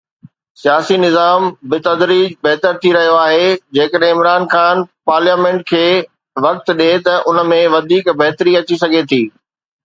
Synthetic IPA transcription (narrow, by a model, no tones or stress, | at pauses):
sijaːsinɪzaːmbɪt̪ɐd̪ɾiːd͡ʑbɐɦt̪əɾt̪ʰiɾɐɦijoaːɦed͡ʑeːkəɗɦẽɪmɾaːnxaːnpaːɾljaːmẽːɳʈ̚kʰeː | ʋɐk̚t̪̆ɗet̪ɐʔʊnə̆mẽʋɐd̪ʱiːkbɐɦt̪ɾiɐt͡ɕisɐɡʱet̪ʰiː